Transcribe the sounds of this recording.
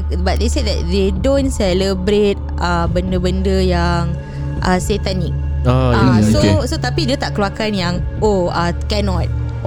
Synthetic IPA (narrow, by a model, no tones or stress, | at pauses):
bat̚d̪eseddɛt̚dedõnsɛləbɾet̚ʔəbəndəbəndəjaŋ | ʔəset̪anik̚aasosot̪apidiət̪aʔkluakanjaŋ | oəkɛnɔ̃t̪̚